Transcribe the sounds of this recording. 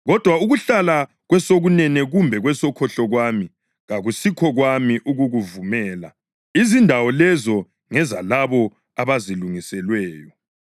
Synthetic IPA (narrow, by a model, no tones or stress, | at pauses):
ɣɔd̥ʱwauɣuɬala | ɣwɛsoɣunɛnɛɣumbʱɛɣwɛsɔkʰɔɬɔɣwami | ɣaɣusikʰɔɣwamiʔuɣuɣuvumɛːla̰ | izindʱawɔlɛzɔ | ŋɛzalaβɔ | aβaziluŋisɛlwɛːjɔ